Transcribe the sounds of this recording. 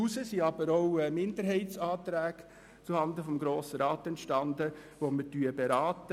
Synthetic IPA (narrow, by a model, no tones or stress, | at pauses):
usəsiɑb̥əɾoʊmɪndəɾɦɛɪtt͡sɑːt̪ɾæːk | t͡suhɑnd̪əfɔmɡɾoːsəɾɑːt̪ɛntʃtɑnd̪əʋomətyəbeɾɑːtə